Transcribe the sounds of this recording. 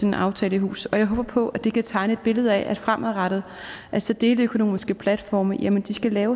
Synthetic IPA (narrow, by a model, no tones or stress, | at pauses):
enenʔɑ̈ʊt͡sʰɛːləiɦṵːsɒ̽jɑ̈ɪɦoːb̥ɐpʰɒ̽ʔæ̥d̥e̝kʰæt͡sʰɑ̈ɪnəe̝d̥̚b̥e̝ləð̞̩ˠɛʔæ̥fʁamʔæðˠʁɑɾ̥ð̩ˠ | ʔælsɒ̽d̥e̝ːləøkʰo̝no̝̰ːmisɡ̥əpʰlæd̥fɒ̰ːməjæmənd̥isɡ̥ælɛːʊ